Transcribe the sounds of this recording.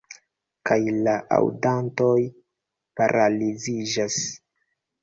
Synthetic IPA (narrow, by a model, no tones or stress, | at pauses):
kajlaʔa̰wdantoj | paɾʔalizid͡ʒas